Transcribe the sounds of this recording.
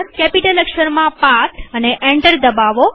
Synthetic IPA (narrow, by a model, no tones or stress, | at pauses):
ɾkepiʈələkʃəɾmãpat̪əneʔɛ̃ɳʈəɾd̪əbaʋo